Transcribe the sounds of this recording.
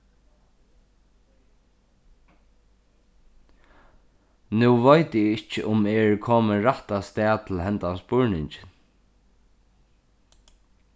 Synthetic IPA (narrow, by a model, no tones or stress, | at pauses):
nuʋajt̪ɪɪht͡ʃəʔʊmɛɹkʰɔːməɹaht̪ast̪ɛːt̪ʰɪlɦɛnt̪anspʊɹnɪɲt͡ʃɪn